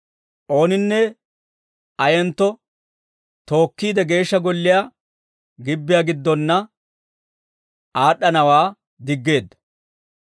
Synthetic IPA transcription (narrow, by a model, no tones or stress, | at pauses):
ʔo̞ːnɪnːɛ | ʔɐjɛnt̪ːɔ | t̪o̞ːkːiːd̪ɛɡe̞ːʃːɐɡɔlːɪjaː | ɡɪbːɪjaːɡɪd̪ːɔnːɐ | ʔaːɗːɐnɐwaː | d̪ɪɡːe̞ːd̪ːɐ̥